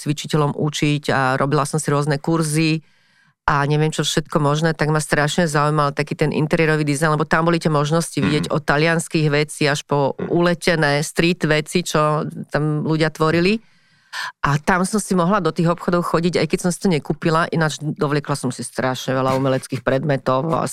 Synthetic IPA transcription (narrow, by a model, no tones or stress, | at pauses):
t͡sʋit͡ʃicɛlɔmʔut͡ʃiɟa̰ɾɔbilasɔmsiɾʊɔznɛkuɾzi | ʔaɲɛʋɪɛmt͡ʃɔfʃɛt̪kɔmɔʒnɛːt̪aɡmast̪ɾaʃɲɛzaujmalt̪akiːt̪ɛnʔḭnt̪ɛɾɪɛɾɔʋiːd̪izajnlɛbɔt̪ambɔlit̪ɛmɔʒnɔsciʋiɟɪjɛɟɔt̪alɪanskiɣʋɛt͡siaʃpɔulɛcɛnɛːst̪ɾiːt̪ʋɛt͡sit͡ʃɔt̪amluɟɪat̪ʋɔɾili | ʔat̪amsɔmsimɔɦlad̪ɔt̪iːɣɔpxɔd̪ɔʊxɔɟiɟajkɛcsɔmsi̥t̪ɔɲɛkuːpilaʔinad͡ʒd̪ɔʋlɪɛklasɔmsist̪ɾaʃɲɛʋɛlaumɛlɛt͡skiːxpɾɛd̪mɛt̪ɔʊa̰